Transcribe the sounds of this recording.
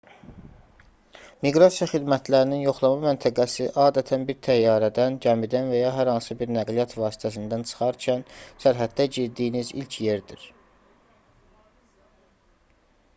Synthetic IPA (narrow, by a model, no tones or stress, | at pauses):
miɡɾɑsijɑχid̪mæt̪ʰlæɾininjo̞χlˠɑmɑmænt̪ʰæɡæsiʔɑːd̪æt̪ʰænbiɾt̪ʰæjːɑːɾæd̪ænɟæmid̪ænvæjɑɦæɾhɑnsɯbiɾnæɡlijɑt̪vɑːsi̥t̪ʰæs̬ind̪ænt͡ʃʰɯ̥χɑɾcʰænsæɾɦæd̪d̪æɟiɾd̪iːnizḭlcʰjeɾd̪iɾ